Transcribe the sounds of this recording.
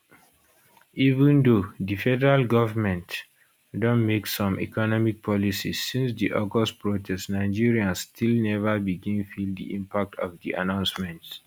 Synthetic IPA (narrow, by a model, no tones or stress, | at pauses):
ivə̃ndodifɛdəɹalɡɔvəmɛ̃nt | dɔ̃nmeksɔ̃mḭkɔnɔmik̚pʰɔlisisĩnsd̪iʔɔɡɔstpɹotʰɛstnaɪd͡ʒiɹiãnstʰilnɛvəbiɡĩnfildd̪ḭʔĩmpak̚tʰɔvdḭʔa̰nãʊ̃nsmɛ̃nt